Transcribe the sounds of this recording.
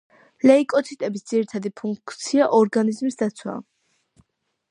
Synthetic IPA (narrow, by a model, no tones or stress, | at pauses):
lɛikʼɔt̪ʰit̪ʼɛbisd̪z̥iɾit̪ʰad̪ipʰuŋkʰt̪sʰiaʔɔɾɡanizmisd̪at̪sʰwa̰